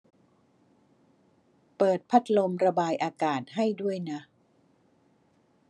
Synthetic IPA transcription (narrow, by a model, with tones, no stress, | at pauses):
pɤː˨˩t̪̚pʰa˦˥t̪̚lo˧mɾa˧baː˧jʔaː˧kaː˨˩t̪̚ɦa˥˩jdu˥˩əjna˦˥